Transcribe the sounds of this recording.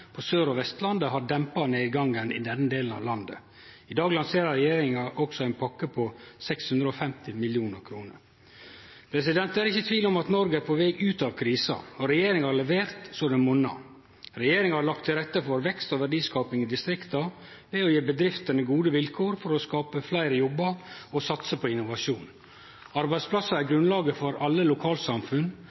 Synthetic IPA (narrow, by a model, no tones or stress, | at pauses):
pʰɔsøːɾɔʋɛst̪lɑnd̪əɦɑɖɛmpɑneːd̪ɡɑŋːənɪ̰d̪ɛnːəd̪eːlən̩ɑ̰ʋlɑnd̪ə̰ | ɪd̪ɑːɡlɑnseːɾɑɾɛjeːɾɪŋɑʔɔksɔæɪnpʰɑkːəpʰɔsɛkshʉnd̪ɾəɔfɛmt̪ɪmɪljuːnəɾkʰɾuːnə̰ɾ | pʰɾɛsɪd̪ɛnt̪æɾɪçːət̪ʰʋiːlɔmɑt̪nɔɾɡəæpʰɔʋɛːɡʉːt̪ɑʋkʰɾiːsɑ̰ɔɾɛjeːɾɪŋhɑɾlɛʋeːɾt̪sɔd̪ɛnmʊnɑ̰ | ɾɛjeːɾɪŋɑhɑɾɭɑk̚t̪ʰːɪlɾɛt̪ːəfɔɾʋɛkst̪ɔʋæɖiːskɑːpɪŋɪd̪ɪst̪ɾɪkt̪ɑ | ʋɛɔjeːbəd̪ɾɪft̪ənəɡuːd̪əʋɪlkʰoːɾfɔɾɔskɑːpəflæɪɾəjɔbːəɔsɑt̪səpʰɔɪnːʊʋɑʂuːn | ɑɾbæɪsplɑsːɑæɾɡɾʉnlɑːɡəfɔɾɑlːəlʊkʰɑːlsɑmfʉn